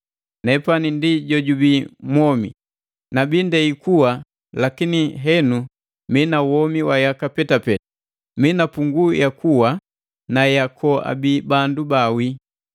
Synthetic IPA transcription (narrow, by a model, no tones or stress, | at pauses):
nɛpanindiɟɔɟubimwɔmḭ | nabindɛikuwa | lakiniɦɛnu | minawɔmiwajakapɛtapɛta | minapuŋɡujakuwa | najakʰɔa̰bibandubawi